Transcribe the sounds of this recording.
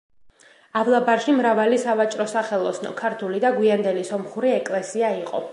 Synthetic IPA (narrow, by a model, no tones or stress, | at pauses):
avlˠabaɾʃimɾavalisavat͡ʃʼɾɔsaχɛlˠɔsnɔ̰kʰaɾt̪ʰulid̪aɡwiand̪ɛlisɔmχuɾiɛkʼlɛsiaiqʼɔ̰